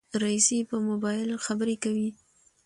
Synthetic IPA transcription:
ɾaisipəmobɑjɪlxabəɾekawi

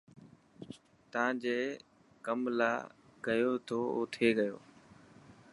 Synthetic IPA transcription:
t̪əãːd͡ʑeː | kəmla̰ːkəjoːt̪ʰoːo̰ːt̪ʰeːɠəjo̰ː

